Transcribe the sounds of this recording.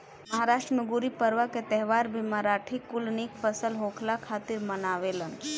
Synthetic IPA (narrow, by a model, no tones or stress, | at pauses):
mɐɦaːɾaːʃʈɾənʊɡuɾipəɾʋəket̪ɛɦʋaːɾbʱimaɾaːʈʰikʊlniːkfəsəlɦoːkʰlakʰaːt̪ɪɾmənaːʋelən